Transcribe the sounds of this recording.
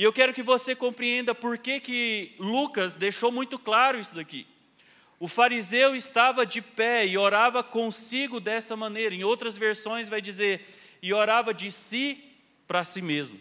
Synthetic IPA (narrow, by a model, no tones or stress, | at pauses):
ɪewkɛɾʊkɪvosekõpɾiẽnd̪ɐpoɾkekɪlukɐzd̪ejʃowmũj̃t̪ʊklaɾʊisʊd̪akḭ | ʊfaɾizewɪst̪avɐd͡ʒɪpɛɪoɾavɐkõsiɡʊd̪ɛsɐmɐ̃nejɾɐẽowt̪ɾɐzveɾsõj̃zvajd͡ʒizeɾɪoɾavɐd͡ʒɪsi | pɾɐsimezmʊ